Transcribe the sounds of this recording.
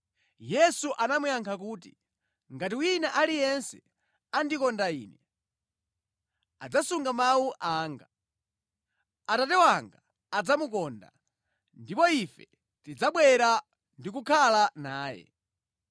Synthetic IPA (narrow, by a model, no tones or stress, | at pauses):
jɛsuʔanamujaŋkʰak̬uːtḭ | ŋɡat̬iwinaʔalijɛnsɛ | andikɔndaḭːnɛ | a̰d͡zasuŋɡamawuʔaːŋɡa | atatɛwaŋɡa | ad͡zamukɔnda̰ | ndipɔifɛ | tid͡zaɓwɛɾa | ndik̬ukʰalanaːjɛ̰